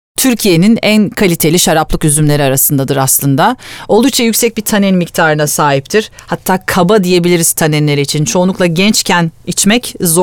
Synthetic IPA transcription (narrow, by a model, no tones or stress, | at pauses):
t̪ʰyɾcʰije̞ninænkʰalʲit̪ʰelʲiʃaɾaplˠɯkyzymlʲe̞ɾiaɾasɯnd̪ad̪ɯɾaslˠɯnd̪ao̞lˠdukt͡ʃʰajycsɛc̚bit̪ʰanɛnmict̪ʰaːɾɯnasaːɦip̚t̪ʰiɾ̥hat̪ʰːaːkʰabad̪ije̞bilʲiɾiz̥t̪ʰanɛnlʲeɾiit͡ʃʰint͡ʃʰo̞ːlˠuklˠaɟɛnt͡ʃcʰænit͡ʃmɛczo